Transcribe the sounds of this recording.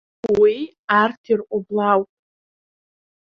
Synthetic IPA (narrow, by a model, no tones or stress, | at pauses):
wi | artʰirqʷʼʊblawpʼ